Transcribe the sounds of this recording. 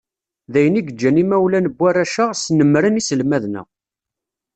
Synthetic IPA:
ðæjəniɡəd͡ʒːænimæwlænəbːærːæʃəʁsnəmːɾənisəlmæðnæ̰

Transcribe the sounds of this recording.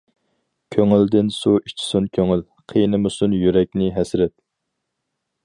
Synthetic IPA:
kʲʰøŋyld̪ɪnsuit͡ʃʰi̥sunkʲʰøŋyl | qʰijnɨmusunjyɾɛk̚ʲnɪɦɛsɾɛt̪̚

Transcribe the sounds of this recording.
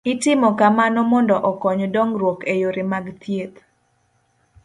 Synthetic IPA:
itɪmɔkamanɔmɔndɔʔɔkɔɲdɔŋɾwokejoɾɪmaɡt̪jet̪

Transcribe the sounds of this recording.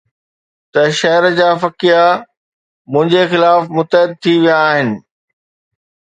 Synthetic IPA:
t̪ɐʃɐɦəɾd͡ʑaːfɐkija | mʊ̃ɦɪ̃ɲd͡ʑexɪlaːfmʊt̪əɦɪd̪̚t̪ʰiʋijaːɦɪnɪ̆

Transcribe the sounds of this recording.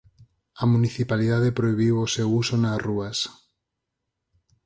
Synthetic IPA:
amuniθipaliðaðepɾoiβ̞iwosewusonazruas

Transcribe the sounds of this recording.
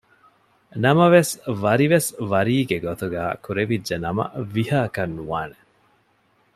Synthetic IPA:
nɐmɐʋesʋɐɾiʋesʋɐɾiːɡeɡot̪uɡæːkuɾeʋidːɐnɐmɐ̰ʋihaːkɐnːuʋaːne

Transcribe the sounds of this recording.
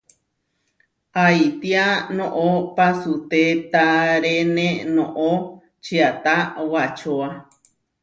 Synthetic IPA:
ajt̪ianõʔopasut̪et̪aɾenẽnõʔo | t͡ʃiat̪awat͡ʃoa

